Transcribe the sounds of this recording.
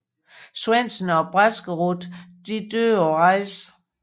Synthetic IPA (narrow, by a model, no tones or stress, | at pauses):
swen̰sn̩ɒ̽b̥ʁasɡ̥əʁud̥d̥id̥ø̰ːɒʁɑ̈ɪ̰s